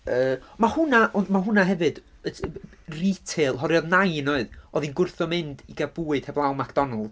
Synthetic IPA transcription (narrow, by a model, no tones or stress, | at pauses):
əːmahʊnaʔɔnmaɦʊnaɦɛvɨd̥ | əritʰelˠɦɔɾjɔðnajnɔɨðɔðinɡʊrθɔmɪndiɡabuːɨd̥hɛblˠawmakʰd̥ɔnəlˠ